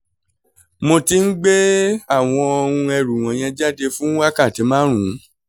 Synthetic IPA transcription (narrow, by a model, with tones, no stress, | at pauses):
mõ˧ti˧n̩˦ɡ͡be˦a˦˨w̃ɔ̃˧ɔ˧ɾũ˧ɛ˧ɾu˨w̃ɔ̃˨j̃ɛ̃˧d͡ʒa˦de˧fũ˦wa˦ka˦˨ti˨˧˦mãː˦ɾ̃ũ˨˦